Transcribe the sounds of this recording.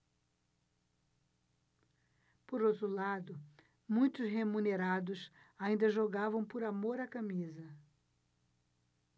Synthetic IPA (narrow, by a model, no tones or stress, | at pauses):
poɾowt̪ɾʊlad̪ʊ | mũj̃t̪ʊsɦemũneɾad̪ʊsaĩnd̪ɐʒoɡavɐ̃w̃pʊɾamoɾakamizɐ